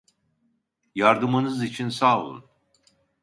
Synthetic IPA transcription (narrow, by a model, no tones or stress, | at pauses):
jaɾd̪ɯmɯnɯzit͡ʃʰinsaːvṵn